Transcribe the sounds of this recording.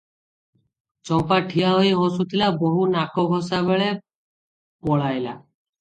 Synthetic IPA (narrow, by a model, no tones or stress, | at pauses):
t͡ʃɔmpaʈʰiaɦojɦɔ̃sut̪ʰilaboɦunakɔɡʱɔsabeɭe | pɔɭajla